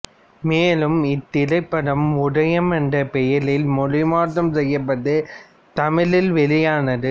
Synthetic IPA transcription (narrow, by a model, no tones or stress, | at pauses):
meːlɯmɪt̪ːɪlɐɪpːɐɽɐmʊɽɐjɐmɐnɖɐpɛjɐlɪlmɔɻɪmaːt̪ːɐmsɛjːɐpːɐðɯ | t̪ɐmɪlɪlʋɛlɪjaːnɐðɯ